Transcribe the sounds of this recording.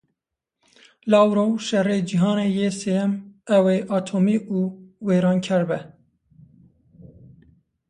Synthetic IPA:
lɑːwɾoʃɛreːd͡ʒiɦɑːneːjeːseɛmɛweːʔɑːt̪ʰoːmiːʔuːweːɾɑːnkʰɛɾbɛ

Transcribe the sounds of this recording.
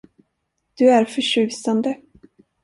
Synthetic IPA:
d̪̥ɵæɾfœʂʉ̟ːsand̪ə

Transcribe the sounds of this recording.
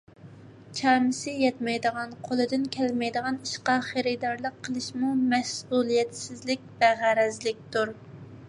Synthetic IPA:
t͡ʃʰɑːmɨsɪjɛt̪mɛjd̪əʁɑnqʰolˠɨd̪ɨnkʲʰɛlmɛjd̪əʁɑniʃqɑχeɾɪd̪ɑɾlˠəqʰːəlˠɨʃmumɛsulˠijɛt̪sɪzlɪk̚ʲb̥æʁæɾɛzlɪk̚ʲt̪uɾ

